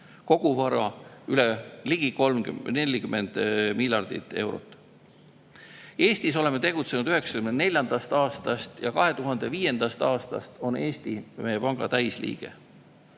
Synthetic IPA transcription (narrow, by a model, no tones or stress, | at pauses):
ko̞ɡ̥uvɑɾɑyleliɡ̥iko̞lmnelʲːikymːe̞nd̪̥miljɑrd̪̥it̪ːˑe̞wɾo̞̰t̪ːˑ | e̞ːst̪iso̞le̞mːet̪e̞ɡ̥ut̪se̞nud̪̥yɦe̞ksɑ̥kymenne̞lʲjɑnd̪̥ɑst̪ɑːst̪ɑst̪jɑkɑɦe̞t̪uɦɑnd̪̥e̞viːje̞nd̪̥ɑst̪ɑːst̪ɑ̰st̪o̞ne̞ːst̪imejepɑŋɡ̥ɑ̰t̪æjslḭːɡ̥e̞̰